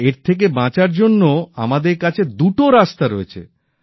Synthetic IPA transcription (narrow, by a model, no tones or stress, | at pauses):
eɾt̪ʰek̬ebãt͡ɕaɾd͡ʑonːoa̰mad̪eɾkat͡ɕʰed̪uʈoɾast̪aɾoet͡ɕʰḛ